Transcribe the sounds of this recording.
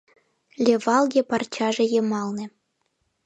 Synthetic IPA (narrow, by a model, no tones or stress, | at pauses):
lʲevɑlˠɣʲepɑrt͡ɕɑʒĕjɤ̆mɑlˠnĕ